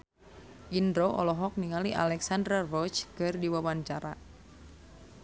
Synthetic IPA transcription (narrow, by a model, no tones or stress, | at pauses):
ʔindɾoʔɔ̰lɔɦɔk̚niŋaliʔa̰lɛksandɾarɔt͡ʃkɨrdiwawaɲt͡ʃaɾa̰